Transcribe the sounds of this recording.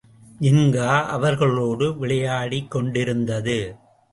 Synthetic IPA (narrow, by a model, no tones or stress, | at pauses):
ɪŋɡaːʔɐʋɐɾɣɐɭoːɽɯʋɪɭɐjaːɽikːɔɳɖɪɾɯnd̪ɐðɯ